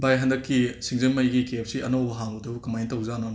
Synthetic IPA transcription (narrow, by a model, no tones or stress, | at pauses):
bajɦɐndɐkːisiŋzenmɐjɡikep̚siɐnowbɐɦaŋbodɐbukɐmajntɐwzanon